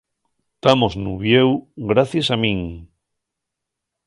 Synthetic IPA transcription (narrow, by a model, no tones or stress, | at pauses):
t̪amoznuβjewɡɾaθjesamĩŋ